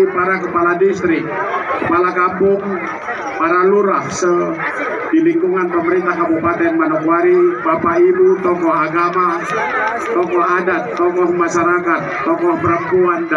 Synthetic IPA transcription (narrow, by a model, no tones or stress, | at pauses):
paɾakəpaladist̪ɾɪk̚kəpalakampʊŋ | paɾaluɾahsə | diliŋkuŋanpəməɾint̪ahkabupat̪ɛnmanakwaɾipapaibut̪ɔkɔhaɡama | t̪ɔkɔadat̪ːɔkɔhmaʃaɾakat̪ːɔkɔhpəɾəmpuand